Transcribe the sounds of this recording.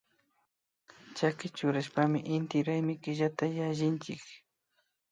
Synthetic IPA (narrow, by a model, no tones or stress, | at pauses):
t͡ʃakɪt͡ʃʊɾaʃpamɪʔɪnt̪ɪɾajmɪkɪʎat̪ajaʒɪnt͡ʃɪk